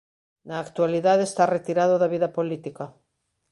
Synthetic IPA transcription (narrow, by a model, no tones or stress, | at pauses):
naːkt̪waliðaðeest̪aret̪iɾaðoðɐβiðɐpolit̪ika